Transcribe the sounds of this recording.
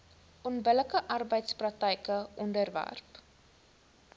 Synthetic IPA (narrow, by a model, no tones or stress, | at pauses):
ʔɔnbələkəʔɐrbəjtsprɐk̚təjkəɔndərvæ̰rp